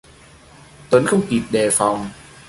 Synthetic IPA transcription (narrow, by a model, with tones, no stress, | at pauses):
t̪ə˨˦nxə˧wŋ͡mki˨˩p̚ɗeː˨˩fa˨˩wŋ͡m